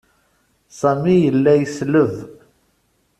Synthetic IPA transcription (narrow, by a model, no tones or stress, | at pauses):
sæmijəlːæjəsləv